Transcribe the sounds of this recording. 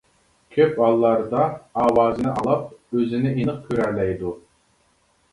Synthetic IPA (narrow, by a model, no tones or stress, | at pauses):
kʲʰøpɑlˠːɑɾd̪ɑɑːwɑːzɨnɨʔɑlˠɑp̚øzɪnɪinɨq̚kʲʰyɾɛɾlɛjd̪u